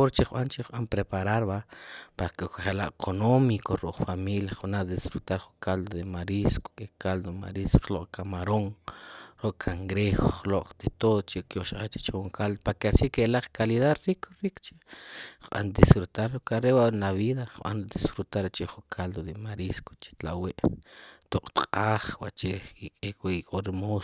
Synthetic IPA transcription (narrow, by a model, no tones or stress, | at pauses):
oɾt͡ʃiχɓant͡ʃiχɓampɾepaɾaɾβapakokaχelaʔkʰonomikʰoɾuʔχfamiljaχunad̪isfɾut̪aɾχuŋkald̪oðemaɾisko̥kʼekald̪oma̰ɾisχloʔkʰamaɾoŋɾoʔkʰaŋɡɾexoχloq͡χʼt̪et̪oðt͡ʃekjoʃqat͡ʃe̥t͡ʃχuŋkʰald̪opakasikelaq͡χkaliðaɾɾikʰɾikt͡ʃeχɓa̰nd̪isfɾut̪aɾokʼaɾewaʔnaβiðaχɓa̰nd̪isfɾut̪aɾet͡ʃeχukʰald̪od̪emaɾisko̥t͡ʃe̥t̪laweʔt̪oqʼt̪qʼaːχwa̰ʔt͡ʃeikʼekweikʼoɾimo